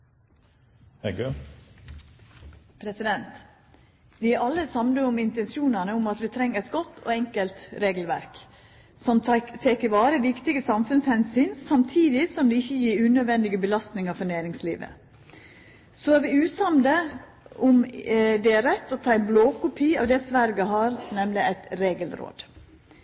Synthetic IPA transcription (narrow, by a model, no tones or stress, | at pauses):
hɛɡ | pʰɾɛsɪd̪ɛnt̪ | ʋɪʔɑlːəsɑmnəʊmɪnt̪ɛnsjuːnənəʊmɑt̪ʋɪt̪ʰɾɛŋːəɾɛɪt̪ɡɔt̪ːʰɔ̰ːɛŋkəlt̪ɾeːɡlʋæ̰ɾk | sɔmt̪ʰeːkəɾʋɑːɾəʋɪkt̪ɪɡəsɑmfʉnshɛnsyːnsɑmt̪ʰiːd̪ɪsɔmd̪ɛɪçːəjiːɾʉːnœd̪ʋɛnd̪ɪɡəbəlɑst̪nɪŋɑɾfɔnæːɾɪŋslḭːʋə̰ | soːæɾʋɪʉːsɑmd̪ə | ʔʊmd̪ɛæɾɛt̪ːɔt̪ʰɑːɪnbloːkʊpʰiːɑ̰ːʋd̪ɛsʋæɾɡəɦɑːɾnɛmlɪæɪt̪ɾeːɡəlɾo̰ːd̪